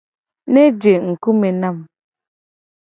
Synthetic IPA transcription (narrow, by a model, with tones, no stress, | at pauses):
ne˦d͡ʒe˨ŋ̩˨ku˦me˨na˦˨m